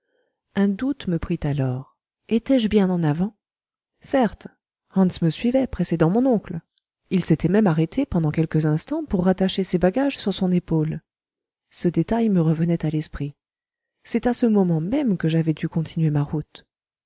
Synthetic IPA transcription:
ɛ̃d̪ut̪məpχit̪alɔːʁ | et̪ɛʒbjɛ̃nɑ̃navɑ̃ | sɛʁt̪ | hɑ̃nsməsɥivɛpχesed̪ɑ̃mɔ̃nɔ̃kl | ilset̪ɛmɛmaʁet̪ʰepɑ̃d̪ɑ̃kʲɛlkəzɛ̃st̪ɑ̃puʁːat̪aʃesebaɡaʒsyʁsɔ̃nepol | səd̪et̪ajməʁəvənɛt̪alɛspχi | sɛt̪asəmɔmɑ̃mɛmkəʒavɛd̪ykɔ̃t̪ʰinɥemaʁut̪

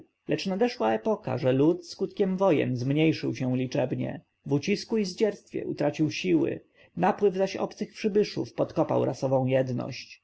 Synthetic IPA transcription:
lɛt͡ʂnad̪ɛʂwaɛpɔka̰ʐɛlut̪skut̪kʲɛmvɔjɛ̰nzmɲejʂɘwɕɛw̃lʲit͡ʂɛbɲɛ̰ | vut͡ɕiskuizd͡ʑɛɾst̪fʲjɛ̰ʔut̪ɾat͡ɕiwɕiwɘ̰ | napwɘvzaɕɔ̰pt̪sɘxpʂɘbɘʂṵfpɔt̪kɔpa̰wɾʔasɔvɔ̃w̃jɛd̪nɔ̰ɕt͡ɕ

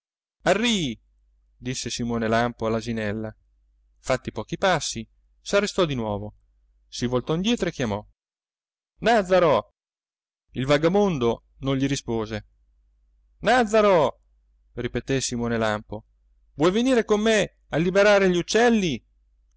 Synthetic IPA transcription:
arːi | d̪isːesimoːnelampoalːazinɛlːa | fat̪ːipɔːk̟ipasːi | sarːest̪ɔd̪inwɔːvo | sivolt̪ɔind̪jɛːt̪ɾoekːjamɔ | nad̪zaɾo | ilvaɡamond̪o | nõɲʎiɾispoːze | nad̪zaɾo | ripet̪esimoːnelampo | vwɔjveniːɾekomːe | alːibeɾaːɾeʎiut͡ʃːɛlːi

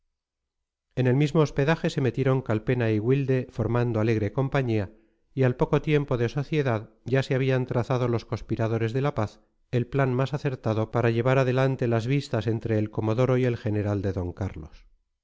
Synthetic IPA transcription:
e̞ne̞lmizmo̞ːspe̞ðaxe̞se̞me̞t̪jeɾo̞ŋkalpe̞naiɣwild̪e̞fo̞ɾmand̪oale̞ɣɾe̞ko̞mpaɲia | ialpo̞ko̞t̪je̞mpo̞ðe̞so̞θje̞ðað | ɟ͡ʝaseaβ̞iant̪ɾaθað̞o̞lo̞sko̞spiɾaðo̞ɾe̞zðe̞lapaθ | e̞lplanmasaθe̞ɾt̪aðo̞paɾaʎe̞βaɾaðe̞lant̪e̞lazβist̪ase̞nt̪ɾe̞ːlko̞mo̞ðo̞ɾo̞ie̞lxe̞ne̞ɾald̪e̞ðo̞ŋkaɾlo̞s

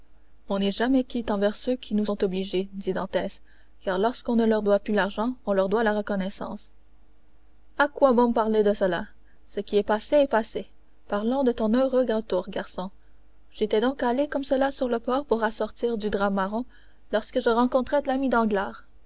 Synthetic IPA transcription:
ɔ̃nɛʒamɛkʲit̪ɑ̃vɛʁsøkʲʰinuɔ̃t̪ɔbliʒed̪id̪ɑ̃t̪ɛːs | kaʁlɔʁskɔ̃nəlœʁd̪waplylaʁʒɑ̃ɔ̃lœʁd̪walaʁəkɔnɛsɑ̰̃s | akwabɔ̃mpaʁled̪əsəla | səkʲiɛpaseɛpase | paʁlɑ̃d̪ət̪ɔ̃nøʁøɡʁət̪uːʁɡaʁsɔ̃ | ʒ̥et̪ɛd̪ɔ̃kalekɔmsəlasyʁləpɔːʁpuʁasɔʁt̪iːʁd̪yd̪ʁamaʁɔ̃ | lɔʁskəʒəʁɑ̃kɔ̃t̪χɛd̪əlamid̪ɑ̃ɡlaːʁ

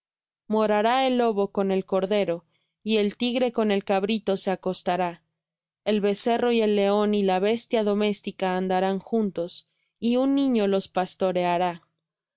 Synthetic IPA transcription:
mo̞ɾaɾae̞lːo̞βo̞ko̞ne̞lko̞ɾðe̞ɾo̞ | ie̞lt̪iɣɾe̞ko̞ne̞lkaβɾit̪o̞se̞ako̞st̪aɾa | elβe̞se̞ro̞ie̞lːe̞o̞nilaβest̪jaðo̞me̞st̪ikaːnd̪aɾaŋxunt̪o̞s | iunːĩɲo̞lo̞spast̪o̞ɾe̞aɾa

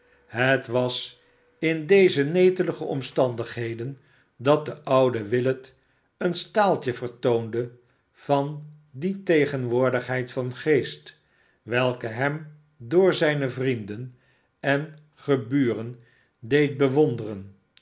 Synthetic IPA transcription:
ɦətʋɑs | ɪndejzənejtələχəɔ̰mstɑndəχɦejdən | dɑt̚dəʔʌwdəʋɪlət | ənstaːlˠtəvəɹtowndə | v̥ɑn | ditejχənʋʊːɹdəχɦɛjtfɑnχejst | ʋɛlˠkəɦɛm | dʊːɹzɛjnəvrindən | ɛn | χəbyːrən | dejt̚bəʋɔndərən

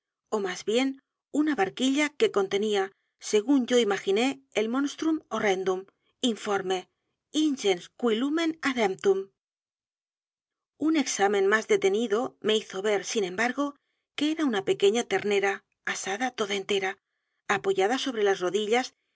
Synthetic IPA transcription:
o̞mazβje̞n | unaβaɾkiʎake̞ko̞nt̪e̞nia | se̞ɣunɟ͡ʝo̞imaxine̞ːlmõ̞nst̪ɾumo̞re̞nd̪um | iɱfo̞ɾme̞ | inʃenskwilumenaðem̚t̪um | une̞ksamẽ̞nmazðe̞t̪e̞niðo̞me̞iθo̞βe̞ɾsinẽ̞mbaɾɣo̞ | ke̞eɾaunape̞keɲat̪e̞ɾne̞ɾaː | saðat̪o̞ðae̞nt̪e̞ɾaː | po̞ʝaðaso̞β̞ɾe̞lasro̞ðiʎas

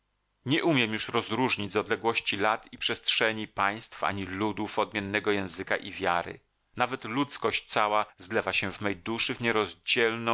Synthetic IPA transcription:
ɲɛʔumʲjɛmjuʂɾɔzɾuʐɲid͡ʑʲzɔd̪lɛɡwɔɕt͡ɕilat̪ipʂɛstʂɛɲipaj̃st̪fa̰ɲilud̪ufɔd̪̚mʲjɛnːɛɡɔjɛ̃w̃zɘkaʔivʲjaɾɘ̰ | navɛt̪lut̪skɔɕt͡ɕt̪sawazlɛvaɕɛvmɛjd̪uʂɘvɲɛɾɔzd͡ʑɛlnɔ̃

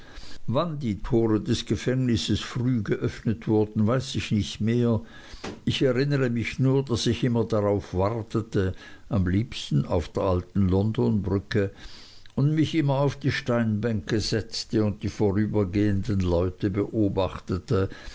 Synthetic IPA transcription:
vandiːtʰoːʁədɛsɡ̥əfɛŋnɪsəsfʁ̥yːɡəʔœfnətv̥ʊɐdn̩vaɪsɪçnɪçtmeːɐ | ʔɪçɛʁɪnəʁəmɪçnuːɐdasɪçʔɪmɐdaʁaʊfv̥aʁtətəʔamliːpstn̩a̰ʊfd̥eːɐʔaltn̩lɔndonbʁʏkə | ʊndmɪçʔɪmɐaʊfd̥iːʃtaɪnbɛŋkəzɛt͡stəʊnt̚d̥iːfoʁyːbɐɡeːəndənlɔʏtəbəʔoːbaχtətə

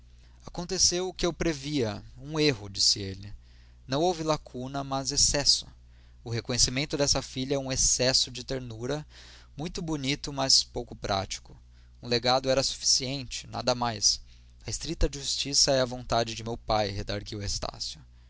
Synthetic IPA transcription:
akõnt̪esewʊkɪewpɾeviɐũeɦʊd͡ʒisɪelɪ | nɐ̃w̃owvɪlakʰunɐmɐzesɛsʊ̥̰ | ʊɦekõɲesimẽnt̪ʊd̪ɛsɐfiʎɐɛũesɛsʊd͡ʒɪt̪eɾnuɾɐ | mũj̃t̪ʊbunit̪ʊmɐspowkʊpɾʔa̰t͡ʃi̥kʊ | ũleɡad̪ʊɛɾɐsu̥fi̥siẽnt͡ʃɪ̥na̰d̪ɐmajs | ɐest̪ɾit̪ɐd͡ʒɪʒust͡ʃisɐɛɐvõnt̪ad͡ʒɪd͡ʒɪmewpajhed̪aɾɡiwest̪a̰sjʊ

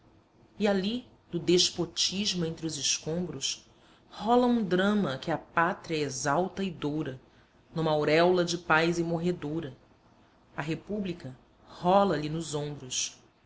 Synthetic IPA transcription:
iali | nʊd̪eʃpot͡ʃiʒmʊẽnt̪ɾɪʊzɪʃkõmbɾʊs | hɔlɐũd̪ɾɐ̃mɐkɪapat̪ɾiɐezawt̪ɐɪd̪owɾɐ | nũmɐawɾɛwlɐd͡ʒɪpajzɪmoɦed̪oɾɐ | ɐɦepublikɐ | hɔlɐlinʊzõmbɾʊs

